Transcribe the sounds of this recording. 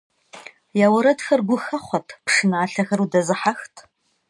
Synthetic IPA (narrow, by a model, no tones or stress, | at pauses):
jaːwɐɾɐdxɐrɡʷʊxɐχʷɔtʰpʂɨnaːɬɐxɐrudɐzɨħaxtʰ